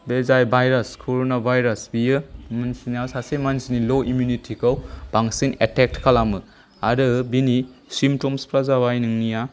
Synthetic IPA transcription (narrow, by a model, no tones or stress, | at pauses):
bezajbʱajɾɐskʰoɾonabʱajɾɐsbijɯmansiniawsasemansiniloʔimjunitʰikʰawb̥aŋsinetek̚tkʰalamɯ | aɾɯbini | simtomspʰɾazaβajnɯŋnija